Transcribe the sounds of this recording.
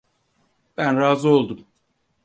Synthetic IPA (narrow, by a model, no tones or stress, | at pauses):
b̥ænɾaːzɯo̞lˠd̪um